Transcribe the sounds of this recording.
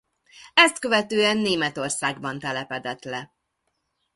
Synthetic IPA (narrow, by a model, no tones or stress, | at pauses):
ɛst̪køvɛt̪øːɛnːeːmɛt̪o̞rsaːɡbɒnt̪ɛlɛpɛd̪ɛt̪lɛ